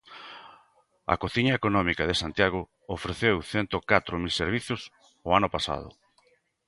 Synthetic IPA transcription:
ɐ̰koθiɲɐekonɔmikaðesant̪jaɣ̞ʊ | ofɾeθewθent̪okat̪ɾomilseɾβ̞iθʊs | oanʊpasa̰ð̞ʊ̰

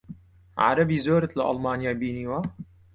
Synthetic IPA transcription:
ʕa̰ɾɐbiːzoːɾət̪laʔɑlmaːnjaːbiːniːwa

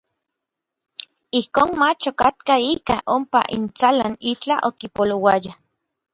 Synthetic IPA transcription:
ihkoːnmat͡ʃokat̪̚kaiːkaʔompa̰ʔḭnt͡sala̰nit͡ɬaʔokipolowaja

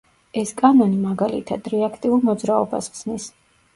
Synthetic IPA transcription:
ɛskʼanɔnimaɡalit̪ʰad̪ɾɛakʰt̪ʼiulmɔd̪zɾaɔba̰sχz̥nis

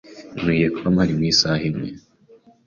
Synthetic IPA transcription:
nwijekamhaɾimwiːsaːhimŋḛ

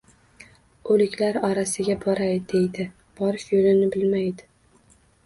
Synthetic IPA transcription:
ɵlɪkʲlaɾɒɾasɪɡʲabɒɾajd̪e̞jd̪ɪ | b̥ɒɾɪʃjolɪnɪbɪlmajd̪ɪ

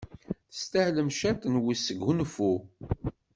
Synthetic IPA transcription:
θə̥st̪æhləmʃæt̪nwisəɡunfu

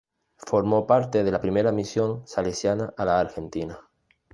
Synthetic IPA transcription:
fo̞ɾmo̞paɾt̪e̞ð̞elapɾimeɾamisjo̞ŋsalesjanaʔalaːɾxe̞nt̪ina

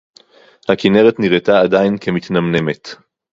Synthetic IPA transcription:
hakine̞ʁet̪niʁet̪aːd̪ajinkʰemit̪namne̞me̞t̪

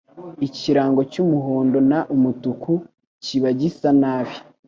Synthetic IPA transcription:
iciɾaːŋɡo̞cumuɦoːndo̞naʔumutuku | ciβaɟisanaːβi̥

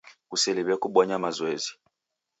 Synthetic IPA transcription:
kusɛliβɛkuɓɔɲamazwezi̥

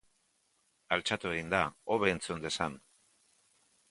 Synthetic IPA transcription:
alt͡ʃat̪ue̞ɣind̪aoβe̞ːnt͡sund̪e̞san

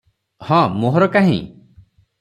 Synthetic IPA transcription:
hɔ̃moɦɔɾɔkaɦḭ̃

